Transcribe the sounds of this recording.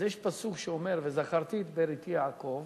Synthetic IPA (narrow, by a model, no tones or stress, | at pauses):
jeʃpasukʃeome̞ɾvezaχaʁt̪iːt̪beɾit̪ijaːko̞v